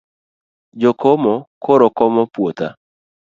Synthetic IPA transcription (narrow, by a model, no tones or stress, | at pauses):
d͡ʒokomɔkoɾokɔmɔpwot̪a̰